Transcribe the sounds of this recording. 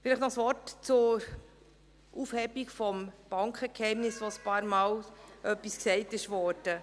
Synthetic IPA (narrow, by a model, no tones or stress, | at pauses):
fɪliχtnɔχsʋɔrtt͡sʊɾ | ʔufhɛbikfɔmb̥ɑŋkχəkhɛɪmnɪsʋospɑːɾmɑːlʔœpːisksɛɪtɪʃʋɔːɾd̥ə